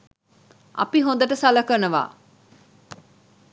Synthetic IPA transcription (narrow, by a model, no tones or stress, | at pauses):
ʔɐ̰piɦõnd̪əʈəsaləkənəʋa̰ː